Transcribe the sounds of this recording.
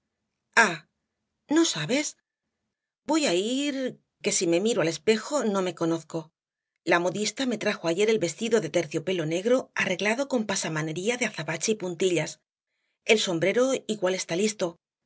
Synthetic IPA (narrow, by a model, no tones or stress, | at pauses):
a | no̞saβe̞s | bo̞jaiɾ | ke̞sime̞miɾoale̞spe̞xo̞nõ̞me̞ko̞no̞θko̞ | lamo̞ðist̪ame̞t̪ɾaxo̞aʝe̞ɾe̞lβe̞st̪iðo̞ðe̞t̪e̞ɾθjo̞pe̞lo̞ne̞ɣɾo̞are̞ɣlaðo̞ko̞mpasamane̞ɾiaðeaθaβat͡ʃeipunt̪iʎas | e̞lso̞mbɾe̞ɾo̞iɣwale̞st̪alist̪o̞